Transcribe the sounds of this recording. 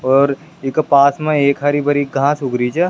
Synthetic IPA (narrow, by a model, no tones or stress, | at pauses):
ɔːɾ | ɪkpaːsmẽeːkɦaɾibʱɐɾiɡʱãsʊɡɾit͡ʃʰe